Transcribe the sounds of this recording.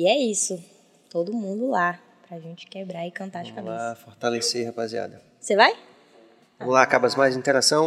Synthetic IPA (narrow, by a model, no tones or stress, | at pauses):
iɛisʊ | t̪od̪ʊmũd̪ʊla | pɾɐʒẽnt͡ʃɪ̥kebɾaɾɪkɐ̃nt̪aɾʃikam̃afoɾt̪aleseihapazia̰d̪ɐ | sevaj | vɐ̃mʊlaːkabɐzmajzĩt̪eɾasɐ̃w̃